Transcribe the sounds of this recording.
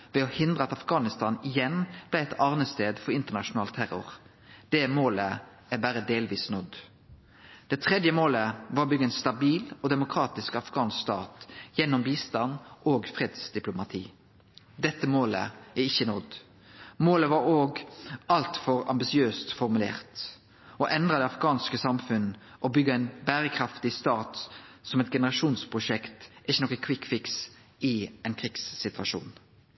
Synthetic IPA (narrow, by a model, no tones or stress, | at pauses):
ʋɛɔhɪnd̪ʁəɑt̪ɑfɡɑːnɪst̪ɑnɪjɛnb̥læɪɛt̪ɑːʁnəst̪eːd̪fɔɾɪnt̪əʁnɑʃʊnɑːlt̪ʰæɾʊ̰ʁ | d̪̥ɛmoːlə | æbæːɾəd̪eːlʋiːsnɔd̪ | d̪̥ɛt̪ʰʁɛd̪jəmoːləʋɑːbʏɡənst̪ɑbiːlɔd̪ɛmʊkʰɾɑːt̪ɪskɑfɡɑːnst̪ɑːt̪jɛnːɔmbiːst̪ɑnʔoːɡfʁɛːd̪sd̪ɪplʊmɑt̪ʰḭː | d̪ɛt̪ːəmoːlə̰æɪçːənɔd̪ | moːləʋɑɾoːɡɑlt̪fɔɾɑ̰mbɪsɪøːst̪fɔʁmʉlḛːʁt̪ | ɔʔɛnd̪ʁəd̪ɛɑfɡɑːnskəsɑmfʉnə | ʔɔbʏɡːəæɪnbæːɾəkʰɾɑft̪ɪst̪ɑːt̪sɔmɛt̪̚ɡɛnəɾɑʃuːnspʰʁʊʂɛkt̪ʔɪçənɔkːəkʰʋɪkːfɪks | ɪɛnkʰiːɡsːɪt̪ʋɑʃṵːn